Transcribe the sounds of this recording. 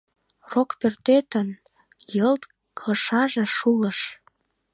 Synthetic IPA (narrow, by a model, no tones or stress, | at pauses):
rokpørt̪et̪ən | jəlt̪ | kʰɤʃɑʒeʃuləʃ